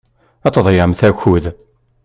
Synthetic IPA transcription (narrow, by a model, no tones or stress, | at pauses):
æt̪ˤəðˤjəmθæçuð